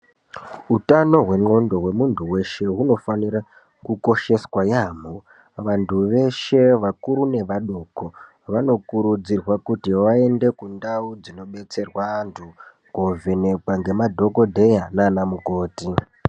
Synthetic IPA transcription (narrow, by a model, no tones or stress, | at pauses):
utano̞ɦwe̞ŋ͡ǃo̞ndo̞ɦwe̞muntʰuwe̞ʃe̞ɦuno̞faniɾa | kuko̞ʃe̞swajaːmo | ʋantʰuʋe̞ʃe̞ʋakuɾune̞ʋaɗuːko | ʋano̞kuɾud͡zirwakutiʋae̞nde̞kundaud͡zino̞ɓe̞t͡se̞rwantʰu | ɡovene̞kwaŋɡe̞madʱo̞ko̞dʱe̞janaːnamuko̞ːti